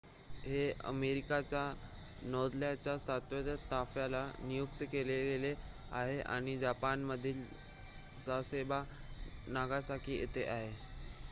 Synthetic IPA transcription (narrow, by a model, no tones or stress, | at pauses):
ɦeə̰meɾikat͡ɕja | nɔd̪ljat͡ɕjasat̪ʋəd̪ət̪afjalanijuk̚t̪əkeleɡele | aɦeʔa̰ɽ̃id͡ʑapanməd̪ʱiːl | sasebanaɡasakʰiːʔḛt̪eʔaɦe